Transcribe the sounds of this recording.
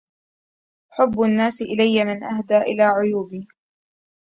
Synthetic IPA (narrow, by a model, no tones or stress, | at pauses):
ħʊbːʊanːaːsɪʔɪlajːamɪnʔahd̪aːʔɪ̰laːʕʊjuːbiː